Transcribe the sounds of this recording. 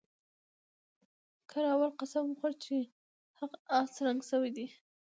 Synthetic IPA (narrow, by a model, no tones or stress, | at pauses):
kʰaɾaːwalqasamxaɾt͡ʃe | haqɑsɾaŋɡsəwed̪i